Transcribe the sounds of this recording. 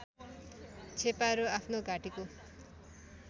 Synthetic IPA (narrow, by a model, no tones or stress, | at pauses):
t͡sʰepaɾuapʰnoɡaʈiko